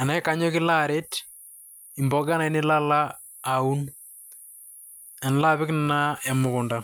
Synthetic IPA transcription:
a˨na˨˦ɪ˦ka˨ɲɔ˦kɪ˦la˦ɾe˦t | ɪ˨mbɔ˨ɡa˦na˨ɪ˦nɪ˦la˦laː˦˨ | u˦n | a˨n˨la˦pɪ˦knna˦ɛ˨mʊ˨kʊ˨nda˦

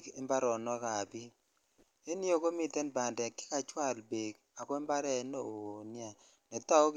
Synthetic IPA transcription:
kɛ˦mba˦ɾɔ˨nɔ˦ka˨bi˦ | e˦ni˦o˦˨ko˦mi˨tɛ˦nba˨ndɛ˨kːi̥˦ka˨t͡ʃwa˦˨lbe˨k | a˨kwɛ˦mba˦ɾɛ˦no˦˨o˨ni˦a˨ | nɛ˨ta˦o˦k

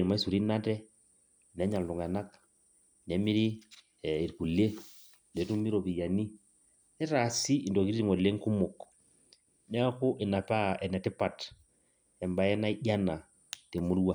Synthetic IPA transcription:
ɾma˦i˦su˨ɾi˦na˦tɛ˦ | n˨ɛ˨˦ɲa˨ltu˨ŋa˨na˦k | nɛ˨˦mi˦ɾi˦˨ | i˨ɾku˨le˦ | ne˨˦tu˦mi˦ɾo˨pi˨ja˨ni˦ | nɛ˦ɾa˨si˦i˨ndɔ˨ki˦ɾi˦ɾi˨ŋɔ˨le˦ŋku˦mo˨k | nɛ˦a˦kʊ˦ʔɪ˨na˨pa˦ɛ˨nɛ˨tɪ˦pa˨t | ɛ˨mba˨ɛ˦na˦i˦ʄa˦na˨ | te˨mu˦ɾwa˦˨

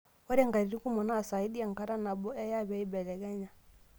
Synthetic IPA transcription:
ɔ˦ɾɛ˦ŋɡa˨ɾi˨ɾi˦ku˦mɔ˨naː˦˨sa˨i˦ɗi˦a˨ŋ˨ka˦ɾa˦na˨bɔ˦ɛ˦ja˦βɛ˨i˦bɛ˨lɛ˨ɡa˦ɲa˨

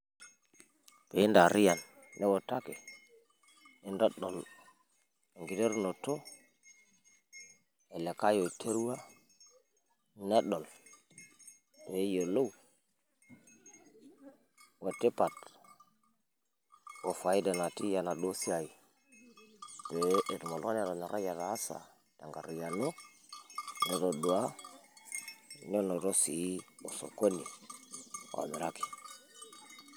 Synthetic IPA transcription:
pe˨i˦nda˨ɾi˦ja˨nː | ɛ˦wo˨ta˦kɛ˨ | i˦ndɔ˦ɗo˨l | e˨ŋɡi˨de˦ɾno˨to˦ | e˨le˨ka˦jo˨i˨tʰe˦ɾu˦wa˦ | ne˦ɗɔ˨l | to˨e˦jo˨lo˦w | wa˨te˦pa˨t | wo˨fa˨i˦da˨na˨ti˦ja˨na˨ɗo˦si˦a˨i˨ | be˨˦ʔe˨du˨mo˨lo˦n˦a˨ɾo˨na˨ɾa˦ja˨ɾaː˨˦sa̰˨ | d̥a˨ŋɡa˨ɾo˨ja˨no˦ | no˨ɾo˨du˨a˦ | no˦no˨ɾo˦sḭ˨˦o˨so̰˨ko˦ni˨ | a̰˨mi˨ɾa˦ki̥˨

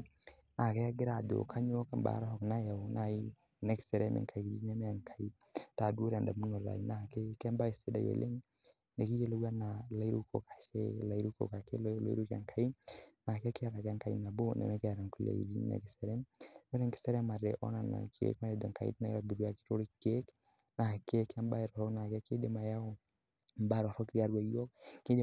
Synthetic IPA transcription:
na˨ke˦a˦ɡɪ˦ɾa˨d̪o̰˨kʰa˦ɲo˦ka˨mba̰˨˦ɾa˦hɔ˨kna˦ja˨na˨i˦ | nɛ˦ksɛ˨ɾe˦mʔɛ̰˨ka˨i˨bi˦nɛ˦mɛ˦a˨ŋkʰa˨i˦ | ta˨do˦ɾa˨nda˨mu˦no˨ɾɾa̰˨i˨na˨ke˦kɛ˦mba˦i˨se˦da̰˨jo̰˨lʔe˦ŋ | ne˨ki˦je˦lo˦ɡa˦na˨la˨˦i˦ɾu˦ko̰˨kḁ˨ʃɛ̰˦la˨i˦ɾu˦ko̰˨ka˨ke˦lo˦lo̰˦ḭ˦ɾu˦ka̰˨ŋkʰa˨i˦na˨kɛ˦kɪ˦a˦ɾa˨ka˦ŋka˨ḭ˦na˨bo˦nʔɛ̰˨mɛ˦kɛ˦˨ɾa˨ŋku˨lḛ˨i˨bi˦nɛ̰˨kɪ˨˦sɛ˨ɾɛ˦mnɛ˦ɾɛ˦ŋkɪ̥˦sɛ˦ɾɛ˦ma˨ɾɛ˨ʔɔ̰˦na˨na̰˨kʰḛ˦kma˦ɾɛ˨dɛ˨ŋka̰˨ḭtna˦ja˨bi˨ɾu˦a˨ki̥˦to˦ɾi˦ke˦k | na˨ke˦kːɛ˦mba˦i˨ɾɔ˨hɔ˦kna˨kɛ˦ke˦de˦ma˨ja˦o˨ | mba˦ɾɔ˨ɾɔ˦kɾi˦a˦ɾwa˨jɔ˦k̚ki˦de˦

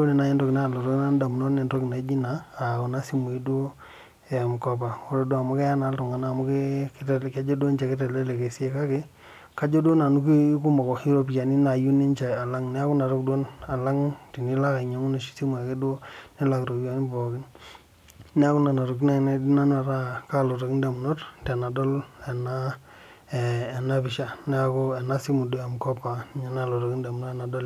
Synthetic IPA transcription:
o˦ne˨na˦jɛ˦ndɔ˦kɪ˨na˦˨lo˨ɾo˦kna˦n˦da˨m˨nɔ˦ne˨ndɔ˦ki˨na˨˦d͡ʒi˦naː˨o˨na˦si˦mu˨i˦do˦ | ɛ˨m˨kɔ˨pa˨o˦ɾɔ˨do˦a˨mʊ˦kɛ˦a˦na˨˦ltu˨ŋa˨naː˦˨mʊ˦ke˦ktɛ˨ka˦d͡ʒo˦do˦nt͡ʃa˨ke˦tɛ˨le˦le˨ke˨si˦e˦˨ka˦ke˦ | ka˦d͡ʒo˦do˦na˨nu˦ki˦ku˦ma˨kɔ˨ki˦ɾo˦p̬i˦a˨ni˦na˨ju˦ni˦nt͡ʃa˨ja˨la˦ŋnɛ˦a˦ku˦na˨ɾo˦kdo˦na˨la˦ŋti˨ni˦la˦ka˨ɲa˨ŋu˦ne˨ʃi̥˦si˦mu˨a˨ke˦do˦ne˦la˨kɾo˨ja˨˦nɪ˦bɔ˨kɪ˦n | nɛ˦a˦kʊ˦na˨na˨ɾʊ˨k̬i˦na˦ŋ˨ne˦di˦na˦n˦a˨ɾa˦ka˦˨lo˨ɾo˨kɪ˦nde˨m˨no˦ttɛ˨na˨dɔ˦le˨na˦˨ | na˦pɪ˨ʃa˦nɛ˦a˦ko˦e˨na˦si˦mu˨do˦a˨mkɔ˦pa˨ɲa˨na˦˨lo˨ɾo˨ki˦nde˨m˨no˦˨na˨dɔ˦l

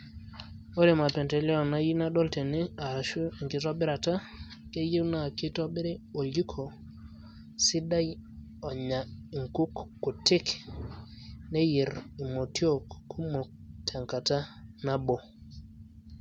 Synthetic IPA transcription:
o˦ɾe˨ma˨pɛ˨ntɛ˨li˦ɔ˨na˦ji˦na˦ɗɔ˦lte˨ne˦a˨ʃu˦i˨ŋkɪ˦tɔ˦bɪ˦ɾa˨ta˦ | ke˦je˦wna˦˨kɪ˦tɔ˦bɪ˦ɾe˦o˨li˦kʰo˨ | sɪ˦da˦j | ɔ˨ɲa˨i˨ŋku˦kːu˨tɪ˦k | ne˦ji˨ɾi˨mo˨tʰi˦o˦˨kːu˦mo˨tʰa˨ŋka˨ta˦na˦bo˨

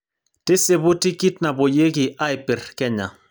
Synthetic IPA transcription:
tɪ˦se˨bʊ˦ti˦ki˦tna˨bo˨je˦kɪ˨ʔa˦jpɛ˨rkɛ˦ɲa̰˨

